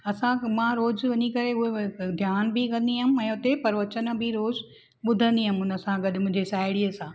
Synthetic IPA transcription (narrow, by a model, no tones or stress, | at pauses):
ɐsãmãɾoːzʋɐɲikɐɾeʊɦed̪ʱjaːnbikɐ̃nd̪iɦmɛ̃ːʊt̪epɐɾʋɐt͡ɕən̆bɪɾoːz | ɓʊd̪ʱə̃nd̪iɦʊmʊnə̆sãɡɐɗɪ̆mʊ̃ɦɪ̃ɲd͡ʑesaːɪɽiəsãː